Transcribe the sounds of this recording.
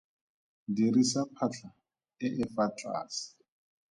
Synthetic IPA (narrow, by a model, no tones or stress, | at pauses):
dirisapʰaɬʰa | ɪʔɪfatʼa̰ːsi̥